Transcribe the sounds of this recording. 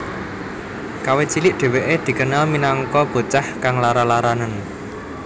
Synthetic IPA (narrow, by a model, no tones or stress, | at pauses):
kawet͡ʃilɪʔɖ̪̥e̤weʔed̪̥i̤kənalminaŋkɔb̥o̤t͡ʃahkaŋlaɾalaɾanən